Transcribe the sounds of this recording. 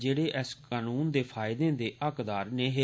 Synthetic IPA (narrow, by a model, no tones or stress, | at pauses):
d͡ʒeːɽeːʔɛskaːnuːnd̪eːpʰaːɪd̪ẽːd̪eːʔəkd̪aːɾneːɦeː